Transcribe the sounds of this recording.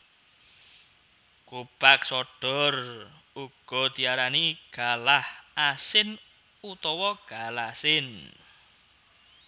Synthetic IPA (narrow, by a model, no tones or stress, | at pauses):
kupak̚sɔɖ̥ɔ̤r | uɡ̥ɔ̤t̪iaɾaniɡ̥a̤lahʔasɪn | ut̪ɔwɔɡ̥alasɪn